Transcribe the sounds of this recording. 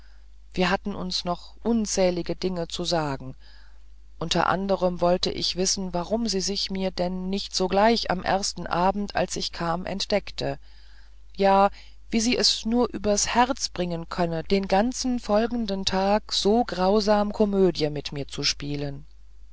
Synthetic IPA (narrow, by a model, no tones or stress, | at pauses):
v̥iːɐɦatn̩ʔʊ̰nsnɔχ | ʔʊnt͡sɛːlɪɡədɪŋət͡suzaːɡŋ̩ | ʔʊntʰɐ̰ʔa̰ndəʁ̞əmvɔltə̰ʔɪçv̥ɪsn̩vaʁʊmziːzɪçmiːɐdɛnːɪçtz̥oːɡlaɪça̰mʔɛ̰ɐstn̩ʔaːbm̩ta̰lsɪçkʰaːmʔɛ̰ntd̥ɛktʰə | jaː | viːziːʔɛsnuːɐʔyːbɐshɛʁt͡sb̥ʁɪŋənkʰœnəd̥eːnɡant͡sn̩fɔlɡŋ̩dəntʰaːkz̥oːɡʁaʊzaːmkʰɔmøːdjəmɪtmiːɐt͡suʃpiːlən